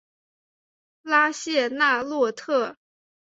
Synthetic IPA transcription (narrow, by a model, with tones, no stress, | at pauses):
la˥ɕjɛ˥˧na˥˧lwɔ˥˧t̪ʰɤ˥˩